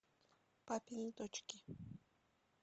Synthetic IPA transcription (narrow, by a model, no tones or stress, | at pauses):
papɪŋt̪ot͡ʃkɪ